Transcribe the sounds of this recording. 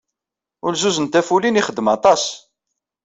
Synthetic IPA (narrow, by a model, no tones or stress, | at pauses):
ʊlzuzənt̪æfuliniχəd̪ːəmɑt̪ˤɑs